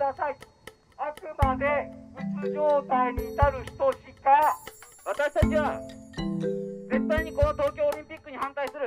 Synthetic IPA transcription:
dasʰai | akɯmad̪e̞pɯt͡sɯd͡ʑot̪ajɲit̪aɾɯɕi̥t̪oɕikawat̪asɕit̪at͡ɕʰiwa | d͡ze̞t̪ːajɲikonot̪ok̬ʰjoːɾimp͈ik͈ːɯɲihant̪aisʰɯɾɯ

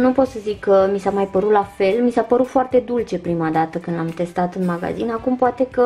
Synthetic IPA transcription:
nupo̞t̪səzikʰːəmisamajpəɾut̪lafe̞lmisapəɾut̪foart̪e̞d̪ult͡ʃe̞pɾimad̪at̪əkɨnd̪lamt̪e̞st̪at̪ɨnmaɡa̰zḭnakumpoat̪e̞kə

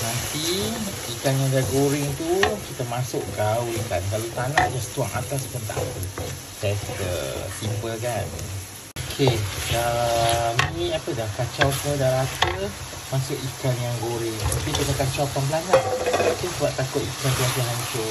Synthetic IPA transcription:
nant̪i | ikanjaŋdaɡoɾɪŋt̪ukit̪əmasʊʔɡaulkankalat̪anad͡ʒast̪uaŋa̰t̪aspʊnt̪a̰ʔpə | t̪ɛskə̰simpəlkan | okʰedamiapədakat͡ʃawsmədaɾat̪ə | masʊʔikanjaŋɡoɾɪŋapit̪unakat͡ʃawpamblanaʔat̪usuaʔt̪ːakʊt̪ikant̪uaŋkaɦaɲt͡ʃʊ

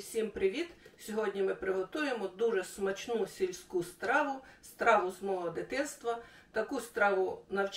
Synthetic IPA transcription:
sʲimpɾɪʋʲid̪sʲɔɦɔdʲnʲimɪpɾɪɦɔt̪ujemɔd̪uʒɛsmɐt͡ʃnusʲilʲsʲkust̪ɾɑʋʊst̪ɾɑʋʊzmɔɦɔd̪ɪt̪ɪnst̪ʋɐ | t̪ɐkust̪ɾɑʋʊnɐwt͡ʃ

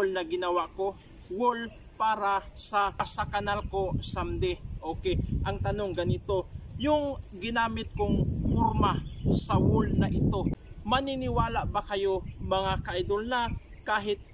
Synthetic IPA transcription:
lnɐɡɪnɐwaʔko̞ | wol | paːɾɐsɐsɐkɐnalko̞sɐmd̪ɛʔo̞ːkɛʔɐŋt̪ɐno̞ŋɡɐnɪt̪o̞jʊŋɡɪnaːmɪt̪̚kʊŋpʊɾmasɐwʊlnɐʔɪt̪o̞mɐnɪnɪwaːlaʔbɐkɐjo̞mɐŋakɐʔɐjd̪olnɐ | kaːɦɪt̪̚

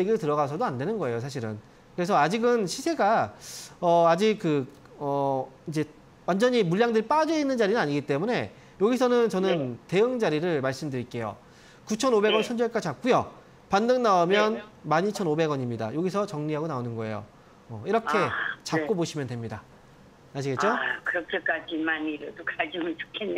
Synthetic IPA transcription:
eɡiɾɯɭtɯɾʌɣas̬ʰʌdoande̞nɯnɡʌe̞josʰaɕ̬ʰiɾɯ̰n | kɯɾe̞s̬ʰʌad͡ʑiɡɯnɕʰisʰe̞ɡa | ʌad͡ʑik̚kɯ | ʌid͡ʑe̞ | wand͡ʑʌɲimuʎːjaŋdɯɾip͈ad͡ʑʌinːɯnd͡ʑaɾinɯnaɲiɡit͈e̞mune̞ | joɡisʰʌnɯnt͡ɕʌnɯnte̞ɯŋd͡ʑaɾiɾɯɭmaɭs͈ɯmdɯɾik͈e̞jo̰ | kut͡ɕʰʌnobe̞ɡʌnsʰʌnd͡ʑʌɭk͈at͡ɕap̚k͈ujo | pandɯŋnaomjʌnmaɲit͡ɕʰʌnobe̞ɡʌɲimɲida̰joɡis̬ʰʌt͡ɕʌŋɲiɦaɡonaonɯnɡʌe̞̰jo̰ | ʌ̰iɾʌkʰe̞t͡ɕapk͈oboɕʰimjʌntwe̞mɲida | aɕ̬ʰiɡett͡ɕ͈okɯɾʌkʰek͈ad͡ʑinmaniɾɯɭdokad͡ʑimɯnt͡ɕo̥kʰenːe

